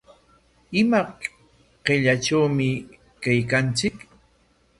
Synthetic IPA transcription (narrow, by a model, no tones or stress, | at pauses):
ɪma | ɢeʎaʈ͡ʂawmɪ | kajkant͡sɪk